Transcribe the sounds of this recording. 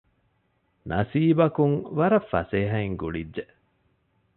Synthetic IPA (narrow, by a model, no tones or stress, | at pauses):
nʔɐsiːbɐkuŋʋɐɾɐfːɐ̰seːɦɐiŋɡuɭidːe